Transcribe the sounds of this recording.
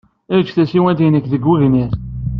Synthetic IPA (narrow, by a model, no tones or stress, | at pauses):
æt͡ʃːθæsiwænd̪inækðəɡːuʝniɾ